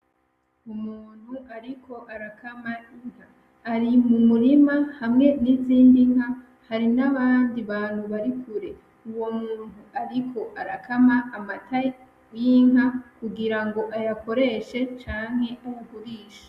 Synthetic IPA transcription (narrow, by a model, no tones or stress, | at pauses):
umuːn̥huʔaɾikʰo̞ʔaɾakʰamajiŋ̥haː | ɾimumuɾimahamŋe̞niziːndiŋ̥ha | haɾinaβaːndiβaːnhuβaɾikʰuɾe̞ | uwo̞muːn̥huaɾikʰo̞ʔaɾakamaːmatʰa | jiŋɦakuɡiɾaŋɡo̞ʔajako̞ɾe̞ʃe̞t͡ʃaːŋhe̞ʔuwuɡuɾiːʃḁ